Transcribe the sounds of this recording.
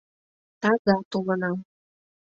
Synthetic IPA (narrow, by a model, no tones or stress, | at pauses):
t̪ɑzɑt̪ulə̆nɑ